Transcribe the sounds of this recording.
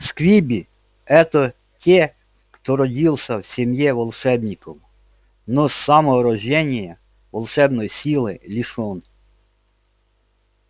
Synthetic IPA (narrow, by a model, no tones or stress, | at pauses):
skʋʲibʲi | ɛt̪ɔ | tʲɛ | xt̪ɔɾɔdʲilˠsʲɐwsʲemjɛʋɔlˠʃɛbnʲikɔm | nɔsːɑmɔɾɔʒʲɛnʲijɐ | ʋɔlˠʃɛbnɔjisʲilˠɪlʲiʃɔn